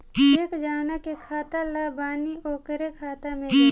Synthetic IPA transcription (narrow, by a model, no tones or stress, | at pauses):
eːkd͡ʒaːnakekʰaːt̪alaːbaːnioːkəɾekʰaːt̪amẽ